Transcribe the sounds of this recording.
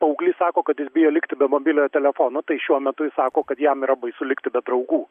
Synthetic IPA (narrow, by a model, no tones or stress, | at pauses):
pɐʊɡlʲiːsɑːkoːkɐt̪jɪsbʲɪjoːlʲɪkt̪ʲɪbʲɛmoːbʲɪlʲoːjt̪ʲɛlʲɛfoːnot̪ɐɪʃʲuɔmʲɛt̪ʊjɪsɑːkoːkɐt̪jɛmiːɾɐbɐɪsʊlʲɪkt̪ʲɪbʲɛd̪ɾɐʊɡuː